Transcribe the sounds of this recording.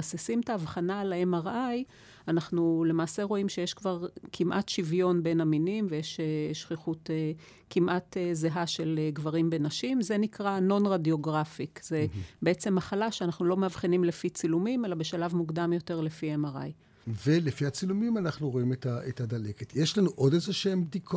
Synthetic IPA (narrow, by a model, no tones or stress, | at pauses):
asesimt̪aːvχanalaemaʁʔaj | anaχnule̞maːseʁo̞imʃejeʃkvaʁkʰimʔatʃivjo̞nbe̞naminimvejeʃeʃχiχute | kimʔat̪ezeɦaʃe̞leɡvaʁimbenaʃimze̞nikʁano̞nʁadjo̞ɡʁafikzebeet͡se̞mːaχalaʃeanaχnulo̞meavχinimlefit͡silumime̞labe̞ʃalavmuɡdamjo̞te̞ʁle̞fiemaʁa̰j | velefiat͡silumimanaχnuʁo̞imetaetadaleketʰjeʃlanuʔodezeʃembd̪ikʰo